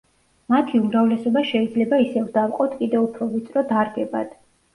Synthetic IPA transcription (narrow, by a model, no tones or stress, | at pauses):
mat̪ʰiumɾavlɛsɔbaʃɛid̪zlɛbaisɛvd̪afqʼɔt̪ʰkʼid̪ɛupʰɾɔvit̪sʼɾɔd̪aɾɡɛba̰d̪̥